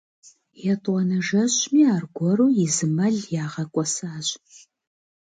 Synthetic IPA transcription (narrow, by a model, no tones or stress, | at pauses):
jɛtʼwɔnɐʒɐɕʼmiːaːrɡʷɔɾuːjɪzɨmɐɮjaːʁɐkʷʼɔsaːɕʼ